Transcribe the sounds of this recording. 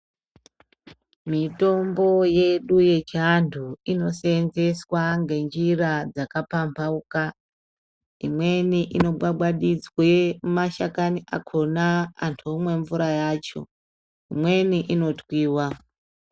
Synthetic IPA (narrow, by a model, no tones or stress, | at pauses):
mito̞mbo̞je̞ɗuje̞t͡ʃiantʰuino̞senze̞swaŋɡe̞nd͡ʒirad͡zakapampʰauka | imwe̞niʔino̞ɓwaɓwaɗid͡zwemaʃakaniʔa̰kʰona̰ːntʰumwe̞ɱvuɾajaːt͡ʃo̞̰ | imwe̞niʔino̞tʰwiːwa